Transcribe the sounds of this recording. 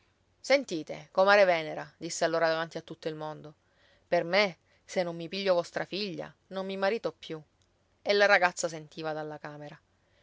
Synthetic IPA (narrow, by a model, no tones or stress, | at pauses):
sent̪iːt̪ekomaːɾevɛːneɾad̪isːealːoːɾad̪avant̪iat̪ːut̪ːoilmond̪o | perme | senːomːipiʎːovɔst̪ɾafiʎːa̰ | nomːimaɾiːt̪opːju | elːaɾaɡat̪sːas̬ent̪iːvad̪alːakaːmeɾa